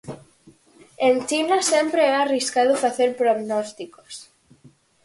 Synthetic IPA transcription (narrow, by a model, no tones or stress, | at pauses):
ent͡ʃinasempɾeɛariskaðʊfaθeɾpɾoɣnost̪iko̥s